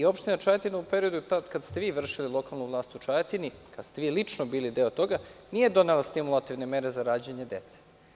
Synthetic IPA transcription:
io̞pʃt̪inat͡ʃajat̪inaupeɾiod̪ut̪ad̪kad̪st̪e̞ʋiːʋr̩ʃililˠo̞kalˠnuʋlˠaːst̪ut͡ʃajat̪inikad̪st̪eʋiːlit͡ʂnobiːlid̪eot̪o̞ɡanije̞d̪o̞nelˠast̪imulˠat̪iʋne̞meɾezaɾaːd͡ʑaɲe̞d̪e̞t̪se̥

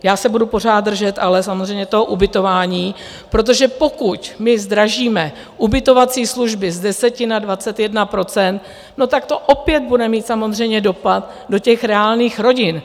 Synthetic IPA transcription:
jaːsɛbudupo̞r̝aːt̪̚ːr̩ʒɛt̪ʔalɛsamozrɛjɲɛt̪oɦoʔubɪt̪o̞vaːɲiː | pɾo̞t̪̬o̞ʒɛpo̞kucmɪzd̪ɾaʒiːmɛ | ʔubɪt̪o̞vat͡siːsluʒbɪzdɛsɛcɪnadvat͡sɛt̪jɛdnapɾo̞t͡sɛnt̪̚ | no̞t̪akt̪o̞ʔo̞pjɛt̪̚budɛmiːt̪samo̞zr̝ɛjɲɛdo̞pat̪ | do̞cɛxɾɛaːlniːxɾo̞ɟɪn

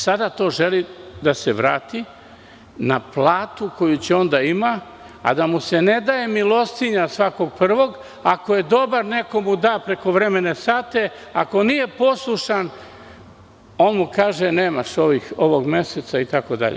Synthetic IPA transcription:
sad̪at̪o̞ːʒe̞lid̪aseʋɾa̰ːt̪i | naplaːt̪uko̞jut͡ɕeo̞nd̪aima | a̰d̪amuse̞ne̞d̪aje̞milˠo̞st̪iɲasʋako̞ɡ̚pr̩ʋo̞ɡ | ako̞je̞d̪o̞baɾne̞ko̞mud̪aːpɾe̞ko̞ʋɾe̞me̞ne̞saːt̪e̞ | ako̞nije̞po̞slˠuʃan | o̞ːnmukaːʒene̞ːmaʃo̞ʋixo̞ʋo̞ɡme̞set̪sait̪ako̞d̪a̰ʎḛ

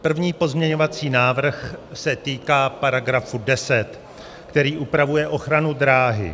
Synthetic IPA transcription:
pr̩vɲiːpo̞zmɲɛɲo̞vat͡siːnaːvr̩xsɛt̪iːkaːpaɾaɡɾafudɛsɛt̪ | kt̪ɛɾiːʔupɾavujɛʔo̞xɾanud̪ɾaːɦɪ̰

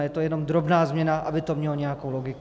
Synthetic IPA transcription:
jɛt̪ojɛno̞md̪ɾobnaːzmɲɛnaʔabɪt̪omɲɛloɲɛjakowloɡɪk

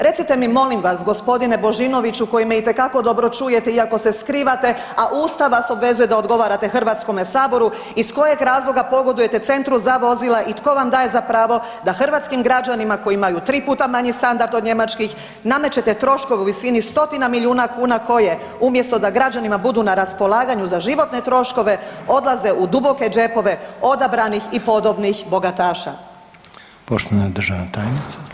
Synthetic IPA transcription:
ɾe̞t̪sit̪e̞mimo̞limʋasɡo̞spo̞d̪inebo̞ʒino̞ʋit͡ʃuko̞jimeit̪e̞kako̞d̪o̞bɾo̞t͡ʃuːje̞t̪eiako̞seskɾiːʋat̪e̞ | aʔuːst̪aʋaso̞bʋe̞zuje̞d̪aod̪ɡo̞ʋaːɾat̪e̞xrʋat̪sko̞mesaːbo̞ɾu | isko̞je̞ɡɾaːzlˠo̞ɡapo̞ɡo̞d̪uje̞t̪e̞t̪se̞nt̪ɾuzaʋo̞zilˠaʔit̪ko̞ʋamd̪aːje̞zapɾaːʋo̞ | d̪axr̩ʋat̪skimɡɾad͡ʑanimako̞imajut̪ɾiːpuːt̪amaɲist̪and̪aɾd̪od̪ɲe̞mat͡ʃkix | namet͡ɕe̞t̪e̞t̪ɾo̞ʃko̞ʋeuʋisinist̪o̞t̪inamiljiuːnakuːnako̞je̞ | umje̞st̪o̞d̪aɡɾad͡ʒanimabud̪uːnaɾaspo̞lˠaːɡaɲuzaʒiʋo̞t̪ne̞t̪ɾo̞ʃko̞ʋe̞o̞d̪laze̞ʔud̪ubo̞ke̞d͡ʒe̞po̞ʋe̞o̞d̪abɾanixipo̞d̪o̞bnixbo̞ɡat̪aːʃa̰ | poʃt̪oʋaned̪r̩ʒaʋnat̪aːjnit̪se̥

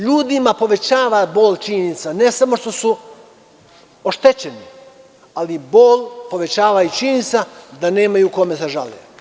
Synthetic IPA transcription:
ʎuːd̪imapo̞ʋet͡ɕaːʋaboːlʲt͡ʃinit̪sane̞samo̞ʃt̪o̞su | oʃt̪e̞t͡ɕeni | aliboːlʲpo̞ʋe̞t͡ɕaːʋait͡ʃinit̪sad̪ane̞ːmajuko̞meseʒa̰lḛ

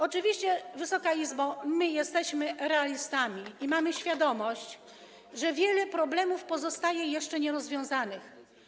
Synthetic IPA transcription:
ɔt͡ʂɘvʲiɕt͡ɕɛvɘsɔkaizbamɘjɛst̪ɛɕmɘɾɛalʲist̪amʲiimamɘɕfʲjad̪ɔmɔɕt͡ɕ | ʐɛvʲjɛlɛpɾɔblɛmufpɔzɔst̪ajɛjɛʂt͡ʂɛɲɛɾɔzvʲjɔ̃w̃zanɘx

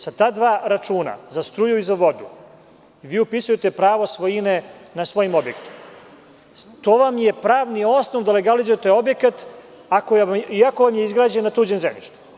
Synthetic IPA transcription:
sat̪aːd̪ʋaːɾat͡ʂuːna̰zast̪ɾujuizaʋo̞d̪u | ʋiːupisujet̪e̞pɾaːʋosʋojine̞nasʋo̞jimo̞bjekt̪i̥m | t̪oːʋamje̞pɾaːʋnio̞snoʋd̪ale̞ɡalizujet̪ojo̞bje̞kat̪ | akoiako̞ʋamjeizɡɾaːd͡ʑenːat̪uːd͡ʑemzemnḭʃt̪u̥

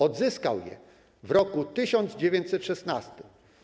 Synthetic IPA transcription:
ɔd̪zɘska̰wjɛ̰ | vɾɔkut̪ɘɕɔnd̪zd͡ʑevʲjeɲt͡ɕsɛt̪ʂɛsnast̪ɪm

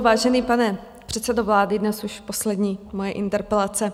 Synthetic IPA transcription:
vaːʒɛniːpanɛ | pr̥ɛt̪sɛdovlaːdɪdnɛsuʃposlɛdɲiːmojɛʔɪnt̪ɛɾpɛlat͡sɛ

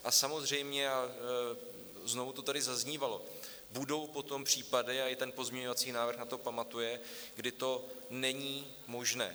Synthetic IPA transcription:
ʔasamo̞zr̝ɛjmɲɛa | zno̞vut̪o̞t̪adɪzazɲiːvalo̞ | budo̞wpo̞t̪o̞mpr̝̥iːpadɪaɪt̪ɛnpo̞zmɲɛɲovat͡siːnaːvɾr̩xnat̪o̞pamat̪ujɛɡdɪt̪o̞nɛɲiː | mo̞ʒnɛ̰ː

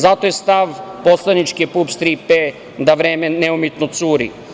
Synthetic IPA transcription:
zat̪ojest̪aʋposlˠanit͡ʃkipupst̪ɾipe | d̪aʋɾeːmeneumet̪not̪suːɾḭ

